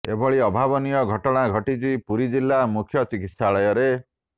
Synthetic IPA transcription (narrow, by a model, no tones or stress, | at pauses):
ebʱɔɭiɔbʱabɔnijɔɡʱɔʈɔɽ̃aɡʱɔʈit͡ʃipuɾid͡ʒilːamukʰjɔt͡ʃikit̪saɭɔjɔɾe